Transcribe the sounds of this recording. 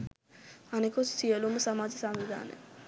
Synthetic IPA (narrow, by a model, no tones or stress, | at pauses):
ɐnekossijɐlumsɐmaːd͡ʒɐsɐmʋid̪ʱa̰ːnḛ